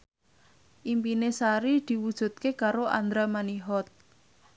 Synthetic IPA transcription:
ʔimpinesaɾid̪̥i̤wud̥ʒ̥ṳt̪̚kekaɾoʔa̰nd̪ɾamaniɦɔt̪̚

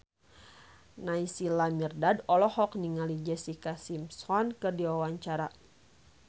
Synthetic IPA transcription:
naisilamirdadɔlɔhɔkniŋalid͡ʒɛsikasimsɔnkɨrdiwawaɲt͡ʃaɾa

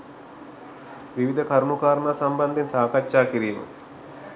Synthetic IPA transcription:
ʋiʋid̪ʱəkɐɾmukaːɾɳaːsɐmbɐnd̪ʱinsaːkɐʃaːkiɾiːmə̰

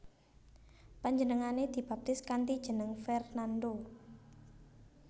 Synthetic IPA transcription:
paɲd͡ʒənəŋaned̪̥i̤b̥a̤p̚t̪ɪskant̪id̥ʒ̥ənəŋfɛrnand̪o

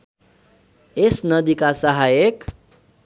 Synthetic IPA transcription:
esnʌd̪ikasʌɦajek

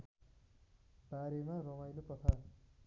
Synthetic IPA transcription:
b̥aɾemaɾʌmajnopʌt̪ʰa

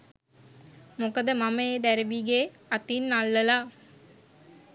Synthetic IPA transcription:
mokəd̪əmaməed̪æɾəʋiɡe | at̪inːalːəla

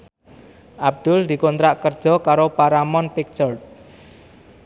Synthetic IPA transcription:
ʔab̚d̪̥ʊld̪̥i̤kont̪ɾaʔkərd̥d͡ʒ̥ɔ̤kaɾopaɾamɔnpɪk̚t͡ʃɔrt̪̚

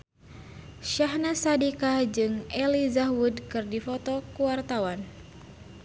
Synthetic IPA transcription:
ʃaɦnasadikad͡ʒɨŋʔɛlizaɦwudkɨrdifɔt̪ɔkuwart̪awan

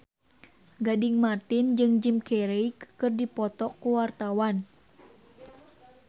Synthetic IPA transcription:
ɡadiŋmat̪ind͡ʒɨŋd͡ʒimkɛɾejkkɨrdipɔt̪ɔkuwart̪awan

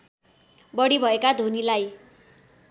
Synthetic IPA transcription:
bʌɽibʱʌekad̪ʱonilaj

